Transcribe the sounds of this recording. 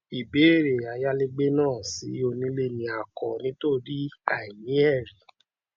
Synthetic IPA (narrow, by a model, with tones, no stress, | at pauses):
i˨be˨˦˨ɾe˨a˨ja˦le˦ɡ͡be˦nãː˦˨si˨˦o˧nĩ˨˦le˦˧nĩ˨˧a˨kɔ˨nĩ˨˦to˦˨ɾi˦a˦˨i˨jĩ˨˦ɛ˦˨ɾi˨